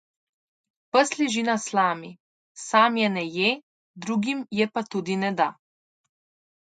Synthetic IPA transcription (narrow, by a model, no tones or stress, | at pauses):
pəsliʒinaslaːmi | saːmjɛnɛje | d̪ɾuːɡimjɛpat̪uːd̪inɛd̪a